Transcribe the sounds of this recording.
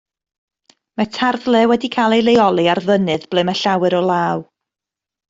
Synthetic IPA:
mɛtʰarðlɛwɛdikʰajlˠejlˠejɔlˠiarðənɨðb̥lˠɨməɬawɨɾɔlˠaːw

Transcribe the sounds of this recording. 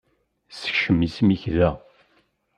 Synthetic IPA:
sə̥çʃəmːismiçðæ

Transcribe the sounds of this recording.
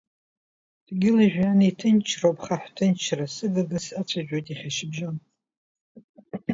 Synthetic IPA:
d̥ɡʲɪliʒᶣanitʰɨnt͡ʃʰrowpʰʼχaħʷtʰɨnt͡ʃʰrasɨɡɨɡɨsat͡sʷʰaʒᶣojtʼiχʲaʃɪbʒan

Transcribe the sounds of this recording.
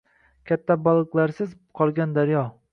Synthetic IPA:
kʲʰat̪ʰːabalˠɨqlˠaɾsɪz | qʰɒlˠɡʲand̪aɾjɒ

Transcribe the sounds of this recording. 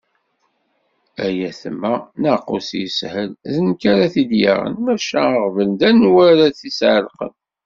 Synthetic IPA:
æjæθmːænəqːusjəshəlðənkaɾaθid̪ja̰ʁə̰nmæʃæəʁvəld̪ænwæɾaθisʕəlqə̰n

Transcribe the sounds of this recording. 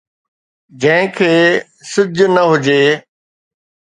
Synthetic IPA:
d͡ʑɐ̃ɦɪ̃kʰeː | sɪd͡ʑʱnəɦʊd͡ʑeː

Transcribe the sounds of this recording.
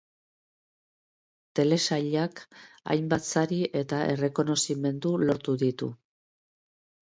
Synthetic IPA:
t̪e̞le̞saʎak | a̰jmbat͡saɾiʔe̞t̪aʔe̞̰re̞ko̞no̞sime̞nd̪ulo̞ɾt̪uðit̪ṵ

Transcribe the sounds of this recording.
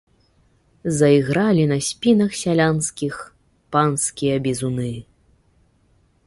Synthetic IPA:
zɐiɣɾalʲinɐsʲpʲinɐxsʲalʲanskʲix | panskʲijɐbʲizunɨ

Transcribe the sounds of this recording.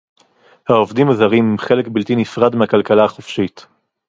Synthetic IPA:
haovdimazaʁimχe̞lekbilt̪inifʁad̪meakalkalaaχofʃit̪

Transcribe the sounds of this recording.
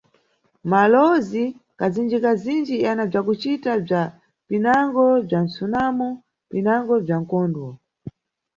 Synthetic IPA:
malɔzikad͡zind͡ʒikazind͡ʒianab͡ʐakut͡ʃitab͡ʐa | pinaŋɡɔb͡ʐan̩sunamɔ | pinaŋɡɔb͡ʐaŋ̩kɔːndwɔ

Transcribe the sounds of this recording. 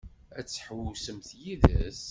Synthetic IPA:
æt͡sːħwusəmθjiðæ̰s

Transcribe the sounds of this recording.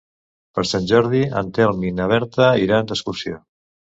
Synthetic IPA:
pəɾsanʲʒɔɾðiə̰nt̪ealˠminəβ̞ɛɾt̪əiɾand̪əskuɾsio

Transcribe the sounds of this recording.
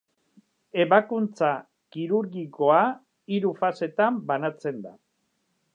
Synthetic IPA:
e̞βakunt͡sa | kiɾuɾɣiko̞a | iɾufase̞t̪ambanat͡se̞nd̪a

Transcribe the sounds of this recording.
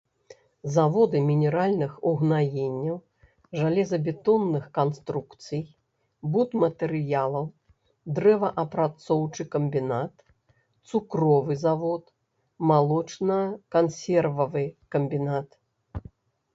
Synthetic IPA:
zavɔd̪ɨmʲinʲɛɾalʲnɨxuɣnajenʲːɐw | ʐalʲɛzɐbʲɛt̪ɔnːɨxkanst̪ɾukt̪sɨj | but̪mɐt̪ɛɾɨjalˠɐw | d̪ɾɛvɐʔɐpɾat̪sɔwt͡ʂɨkɐmbʲinat̪ | t̪sukɾɔvɨzavɔt̪ | malˠɔt͡ʂnɐkansʲɛrvɐvɨkɐmbʲinat̪

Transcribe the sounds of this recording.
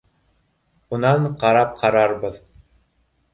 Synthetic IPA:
unɑɴqɑɾɑp̚qʰɑɾɑɾbɤð

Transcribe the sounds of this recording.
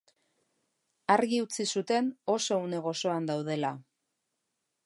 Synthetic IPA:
aɾɣiut͡sisut̪e̞no̞so̞une̞ɣ̞o̞so̞and̪awð̞e̞la

